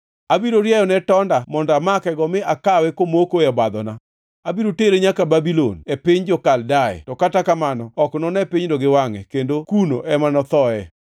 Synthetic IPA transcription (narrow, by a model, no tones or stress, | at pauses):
abiɾoɾjajɔnɛtɔndamɔndamakɛɡɔmɪakawɛkomokoɛbad̪ɔna | abiɾoteɾeɲakababilo̰nepɪɲd͡ʒɔkaldaɛ̰tɔkatakamanɔɔknɔnɛpɪɲdɔɡɪwaŋɛ̰kendokuno̰ʔɛmanɔt̪ɔɛ